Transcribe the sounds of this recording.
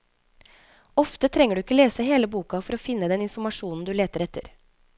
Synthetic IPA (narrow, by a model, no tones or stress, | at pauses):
ɔft̪ət̪ʰɾɛŋːəɖʉːɪkːəoleːsəɦeːləbuːkɑfɔɾoːfɪnːəd̪ɛnɪnfɔɾmɑʂuːnn̩d̪ʉːleːt̪əɾɛt̪ːəɾ